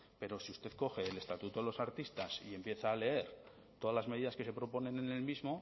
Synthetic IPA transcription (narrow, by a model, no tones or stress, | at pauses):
pe̞ɾo̞siust̪e̞θko̞xe̞ːle̞st̪at̪ut̪oelo̞saɾt̪ist̪asie̞mpje̞θaːle̞e̞ɾ | t̪o̞ðazlazme̞ðiðaske̞se̞pɾo̞po̞nẽ̞nene̞lmizmo̞